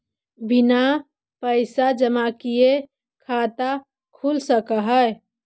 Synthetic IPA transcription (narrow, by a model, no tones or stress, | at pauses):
bina | pəɪsad͡ʒəmakije | kʰat̪a | kʰulsəkəɦəj